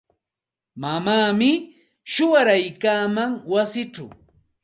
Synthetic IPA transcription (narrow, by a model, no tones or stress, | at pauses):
mamaːmɪ | ʃʊwaɾajkaːmaŋwasɪʈ͡ʂa̰w